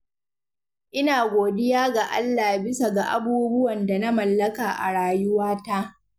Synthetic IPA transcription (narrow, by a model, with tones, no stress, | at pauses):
ʔɪ˦naː˨ɡʷoː˨dɪ˦jaː˦ɡa˨ʔa̰˦lːaː˨bɪ˦sa˨ɡa˨ʔa̰˨buː˦bʊ˦wɐ˨nda˨na˦mɐ˨lːɐ˦kaː˨ʔa̰˨ɽaː˨jʊ˦waː˦ta˦ʔ